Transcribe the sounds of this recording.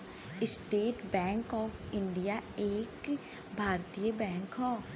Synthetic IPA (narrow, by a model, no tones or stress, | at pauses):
ɪsʈeːʈbɛ̃ːŋkɔːfʰɪ̃ɳɖijaeːk | bʱaːɾt̪ijəbɛ̃ːŋkɦɔː